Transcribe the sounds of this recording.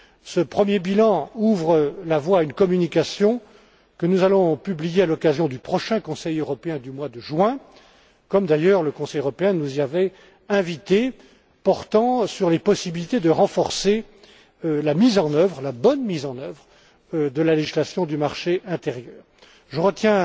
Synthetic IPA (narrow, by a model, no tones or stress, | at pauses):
səpχəmjebilɑ̃uvʁəlavwaynkɔmynikasjɔ̃ | kənuzalɔ̃pyblijealɔkazjɔ̃d̪ypχɔʃɛ̃kɔ̃sɛjøʁɔpeɛ̃d̪ymwad̪əʒɥɛ̃ | kɔmd̪ajœʁləkɔ̃sɛjøʁɔpeɛ̃nuziavɛ | ɛ̃vit̪e | pɔʁt̪ɑ̃syʁlepɔsibilit̪ed̪əʁɑ̃fɔʁse | lamizɑ̃nœvʁlabɔnmizɑ̃nœvʁ | d̪əlaleʒislasjɔ̃d̪ymaʁʃeʔɛ̃t̪eʁjœːʁ | ʒəʁət̪jɛ̃